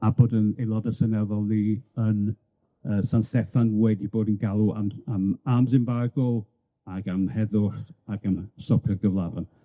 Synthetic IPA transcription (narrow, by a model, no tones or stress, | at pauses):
aboːdənejlˠɔdəsənɛðɔlˠniən | əːsansɛfanwɛdiboːdənɡalˠuamamamsɪmbaɡɔlˠ | aɡamhɛðʊrθaɡamsɔpʰɪrɡəvlˠavan